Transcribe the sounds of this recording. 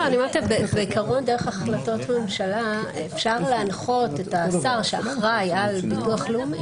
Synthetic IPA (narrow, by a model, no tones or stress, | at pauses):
aniamaʁt̪abebeikaʁo̞ndeʁeχaχlato̞tame̞mʃalaefʃaʁleanχo̞tetasaʁʃeaχʁajalbituaχlumi